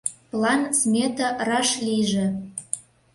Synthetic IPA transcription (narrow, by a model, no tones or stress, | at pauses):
plɑnsmʲet̪ɑrɑʃliʒĕ